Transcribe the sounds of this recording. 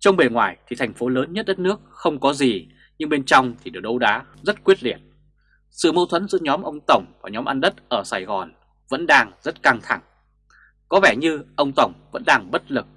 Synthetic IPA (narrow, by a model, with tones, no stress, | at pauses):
t͡ɕɔ˧wŋ͡mɓe˨˩ŋwaː˧˩jt̪ʰi˨˩t̪ʰa˨˩jŋ̟fo˨˦ləː˨˦nɲə˦˥t̚ɗə˦˥t̚nɨ˦˥ək̚xə˧wŋ͡mkɔ˨˦zi˨˩ | ɲɨ˧ŋɓe˧nt͡ɕɔ˧wŋ͡mt̪ʰi˨˩ɗɨ˨˩ək̚ɗə˧wɗa̰ː˨˦ | zə˦˥t̚kwi˦˥ət̚li˧˩ət̚ | sɨ̰˧˨mo˧wt̪ʰwə˨˦nzɨ̰˧˥əɲɔ˨˦mʔə˧wŋ͡mt̪ə˧˩wŋ͡mvaː˨˩ɲɔ˨˦mʔa˧nɗə˦˥t̚ʔəː˧˩saː˧˩jɣɔ˨˩n | və̰˧˥nɗaː˧ŋzə˦˥t̚ka˧ŋt̪ʰa˧˩ŋ | kɔ˨˦vɛ˧˩ɲɨ˧ʔə˧wŋ͡mt̪ə˧˩wŋ͡mvə̰˧˥nɗaː˧ŋɓə˦˥t̚lɨ˨˩k̚